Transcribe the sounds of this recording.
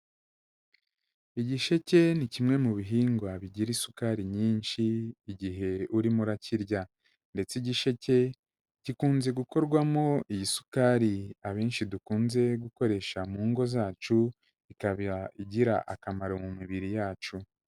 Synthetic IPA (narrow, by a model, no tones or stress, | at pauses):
iɟiʃe̞ce̞nicimŋe̞muβiɦiːŋɡwaβiɟiɾisukaːɾiɲiːnʃiːɟiɦe̞uɾimuɾaciɾɟa | nde̞t͡siɟiʃe̞ce̞ | ɟ̥ikuːnze̞ɡuko̞ɾɡwamoijisu̥kaːɾiaβe̞ːnʃidukuːnze̞ɡuko̞ɾe̞ʃamuːŋɡo̞zaːt͡ʃu | ikaβaiɟiɾaʔakamaɾomumiβiɾijaːt͡ʃu